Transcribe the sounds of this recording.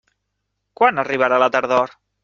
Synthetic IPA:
kwanəriβ̞əɾalət̪əɾðɔɾ

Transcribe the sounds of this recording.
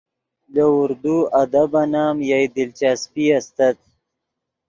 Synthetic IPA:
d̪əʊɾd̪uɐd̪abanaːmjajd̪ɪlt͡ʃaːspiast̪at̪̚

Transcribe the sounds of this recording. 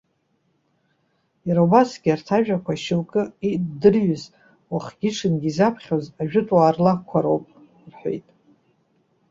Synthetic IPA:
jaɾaubasɡʲiartʰaʒᶣakʷʰaʃɪlkʼɨidɨrɥʏz | waχʲɡʲɪʈ͡ʂʰɨnɡʲizapʰχʲozaʒᶣʊtʼwaːrlakʷʰaɾowpʼ | rħʷo̰jtʼ

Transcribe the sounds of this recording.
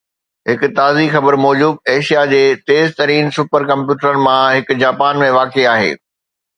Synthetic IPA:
ɦɪkʊ̆t̪aːzixɐbəɾmɔːd͡ʑuːd̪̚eːʃijad͡ʑeːt̪eːzt̪ɐɾiːnsʊpəɾkɐ̃mpjuːʈəɾənɪ̆mãɦɪkʊ̆d͡ʑaːpaːnmẽʋaːkeaːɦḛː

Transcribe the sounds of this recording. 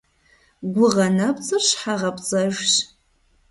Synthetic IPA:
ɡʷʊʁɐnɐpʼt͡sʼɨrɕħaʁɐpʼt͡sʼɐʒɕ

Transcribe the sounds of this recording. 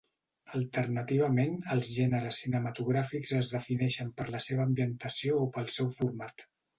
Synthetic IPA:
əlˠt̪əɾnət̪iβ̞əmenəlˠzʒɛnəɾəsːinəmət̪uɣ̞ɾafikzəzðəfinɛʃəmpəɾləseβəːmbiənt̪əsioːpəlˠsɛwfuɾmat̪

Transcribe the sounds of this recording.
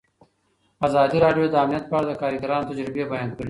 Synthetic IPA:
azɑːd̪iɾɑːɖijod̪ɐamnijɐt̪̚pɑːɽad̪əkɑːɾiɡɐɾɑːnot̪ɐd͡ʒɾɪbebɐjɑːnd̪̚kəɽi

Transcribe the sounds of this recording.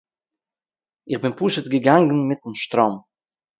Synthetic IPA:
ɪχbɪnpuːʃətɡəɡaŋɡn̩mɪtn̩ʃtɾɔm

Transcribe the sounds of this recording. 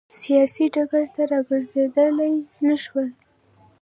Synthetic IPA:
sijɑsiɖaɡaɾt̪aɾɑɡəɾzed̪əlajnaʃwəl

